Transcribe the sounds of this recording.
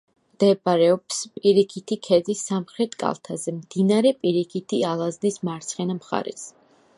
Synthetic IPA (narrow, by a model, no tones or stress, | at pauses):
md̪̥ɛbaɾɛɔpspʼiɾikʰit̪ʰikʰɛzisamχɾɛt̪ʰkʼa̰lˠt̪ʰazɛmd̪̥inaɾɛpʼiɾikʰit̪ʰialˠaznismaɾt̪sʰχɛnamχa̰ɾɛ̰s